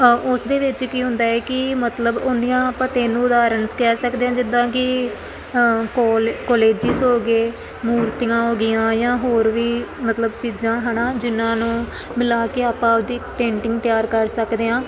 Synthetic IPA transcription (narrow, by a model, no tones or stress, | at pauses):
ʊsd̪eːʋɪt͡ʃkiːɦʊ̃nd̪aːɛːkɪmət̪ləbʊnd̪ɪjãːpət̪ẽːnũːʊd̪aːɾənskɛːɾsəkd̪eːãːd͡ʒɪd̪ãːkɪ | koːleːd͡ʒɪsoːɡeː | muːɾt̪ɪjãːɦoːɡɪjãːjãːɦoːɾʋiːmət̪ləbt͡ʃiːd͡ʒãːɦənaːd͡ʒɪnãːnũː | mɪlaːkeːaːpãːʊd̪iːpẽːɳʈɪ̃ŋɡt̪ɪjaːɾkəɾsəkd̪eːãː